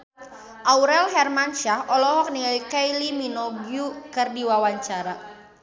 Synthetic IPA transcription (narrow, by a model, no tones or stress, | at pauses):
ʔauɾɛlɦɛrmanʃahʔɔlɔɦɔk̚nilikajliminɔbjukɨrdiwawaɲt͡ʃaɾa